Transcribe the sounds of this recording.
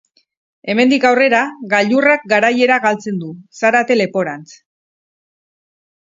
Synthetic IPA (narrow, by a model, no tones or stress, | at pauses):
e̞me̞nd̪ikawre̞ɾaɣaʎurak̚ɡaɾaje̞ɾaɣalt͡se̞nd̪usaɾat̪e̞le̞po̞ɾant͡s